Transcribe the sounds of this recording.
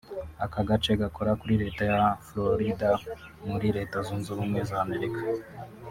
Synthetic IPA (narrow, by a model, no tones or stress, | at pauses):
akaɡat͡ʃe̞ɡako̞ɾakuɾiɾe̞ːtajafloɾida | muɾiɾe̞ːtazunzuɾuːmŋe̞zaːme̞ɾikḁ